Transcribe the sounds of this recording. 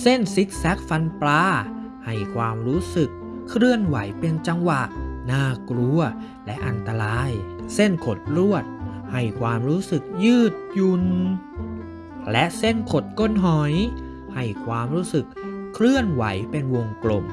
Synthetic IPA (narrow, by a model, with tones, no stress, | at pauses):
se˥˩nsi˦˥t̪̚sɛ˦˥k̚fa˧nplaː˦˧˥ | ha˨˩jkʰwaː˧mɾuː˦˥sɯ˨˩kʰː | ɾɯ˥˩ənwa̰˩˦jpe˧ənt͡ɕa˧ŋwa˨˩ʔnaː˧˩kɾu˧ɐ | lɛ˦˥ʔa˧nt̪a˧ɾaː˧jse˥˩nkʰo˨˩t̪̚ɾu˥˩ət̪̚ | ha˧˥˩jkʰwaː˧mɾuː˦˥sɯ˨˩k̚jɯː˥˩t̪̚ju˧n | lɛ˦˥ʔse˥˩nkʰo˨˩t̪̚ko˧˥˨nɦɔ˨˩˦j | ha˧˥˩jkʰwaː˧mɾuː˦˥sɯ˨˩kʰːɾɯ˥˩ənwa̰˩˦jpe˧nwo˧ŋplo˨˩m